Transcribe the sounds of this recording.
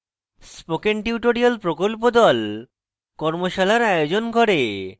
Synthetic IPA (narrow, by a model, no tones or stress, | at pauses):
spokenʈiuʈoɾialpɾokolp̬od̪ɔl | kɔɾmoʃalaɾajod͡ʑonɡʱɔɾe